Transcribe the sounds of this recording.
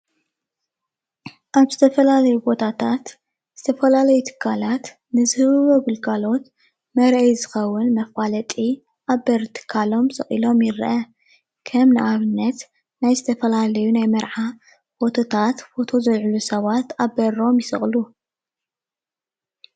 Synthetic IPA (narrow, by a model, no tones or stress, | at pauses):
ʔaβzɨt̪ʰɐfɐlalɐjubo̞t̪ʰat̪ʰat̪ | z̥ɨt̪ʰɐfɐlalɐjut̪ʰɨ̥kʰːalat̪ | nɨzɨhβɨβoɡɨlɡalo̞t̪ | mɐɾʔɐjzɨxɐwːɨnmɐfalɐt̪ʼi | ʔaβɐɾt̪ʰɨ̥kʰːalo̞msɨχʼḭlo̞mjɪɾʔɐ | kʰɐmnɨʔaβɨnːɐt̪ | najzɨt̪ʰɐfɐlalɐjunajmɐɾʕa | fo̞t̪ʰo̞t̪ʰat̪fo̞t̪ʰo̞zɐlʕulusɐβat̪abɐɾo̞mjɪsɨ̰χʼlu